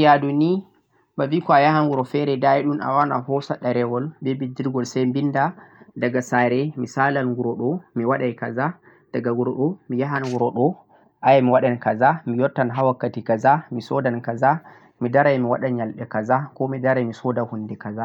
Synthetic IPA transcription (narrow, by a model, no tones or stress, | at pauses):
jaduni | babikɔajaɦanɡuɾɔfɛɾɛdaiɗuna̰wana̰hɔsaɗaɾɛwɔlbɛbidiɾɡɔlsajmbindadaɡasaɾɛmisalanɡuɾɔɗɔmiwaɗajkaza | d̥aɡaɡuɾɔɗɔmijaɦanɡuɾɔɗɔ | ʔajamiwaɗankazamijɔtːanɦawakːatikazamisɔdankaza | midaɾajmiwaɗaɲalɓɛkazakɔmidaɾajmisɔdahundɛkaza